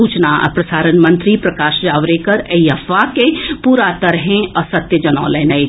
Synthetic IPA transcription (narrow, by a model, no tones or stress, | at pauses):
uːt͡ʃna̰ːpɾɐsaːɾənmɐ̃nt̪ɾipɾɐkaːʃd͡ʒaːʋɾekɐɾeiɐfakepuːɾat̪ɐɾɦẽɔsɐt̪jəd͡ʒɐnɔ̰ːləːnɐe